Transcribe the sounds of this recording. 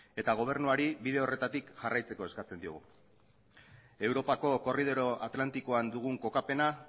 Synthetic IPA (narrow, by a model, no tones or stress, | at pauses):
e̞t̪aɣ̞o̞β̞e̞ɾnuaɾiβiðe̞o̞re̞t̪at̪ikʝarʔajt͡seko̞e̞skat͡se̞nd̪ioɣu | e̞wɾo̞pako̞ko̞rið̞o̞ɾo̞ʔat̪lant̪ikoand̪uɣ̞uŋko̞kape̞na